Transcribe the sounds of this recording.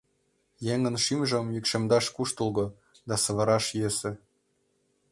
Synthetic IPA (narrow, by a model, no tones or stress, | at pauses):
jeŋə̆nʃimʒə̆mjykʃemd̪ɑʃkuʃt̪ŭlˠɣŏ | d̪ɑsɤ̆βɤ̆ɾɑʃjesĕ